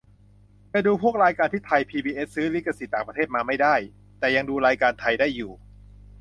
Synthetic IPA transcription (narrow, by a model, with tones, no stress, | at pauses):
pa˧jduː˧pʰu˥˩ək̚ɾaː˧jkaː˧nt̪ʰiː˥˩t̪ʰa˧jpʰiː˧biː˧ʔe˦˥ssɯː˦˥li˦˥ka˧si˨˩t̪ːaː˨˩ŋpɾa˧eː˥˩t̪maː˧ma˥˩jdaː˥˩j | t̪ɛː˨˩ja˧ŋduː˧ɾaː˧jkaː˧nt̪ʰa˧jdaː˥˩jːuː˨˩